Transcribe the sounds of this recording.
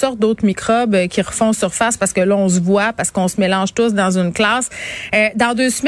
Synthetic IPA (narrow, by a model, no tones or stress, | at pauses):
sɔʁt̪̚d̪oːt̪χmikʁɔbøkʲiʁəfɔ̃syʁfaspaʁsə̥kəlʌɔ̃s̬əvwapaʁskəɔ̃səmelɑ̃ʒt̪ʊs̬d̪ɑ̃zynklɑːsød̪ɑ̃d̪øːsm